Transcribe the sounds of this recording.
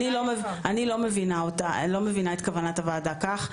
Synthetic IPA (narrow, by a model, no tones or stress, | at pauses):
nilomevanilo̞mevinaotalo̞mevinaet̪kavanatavaːdakaχ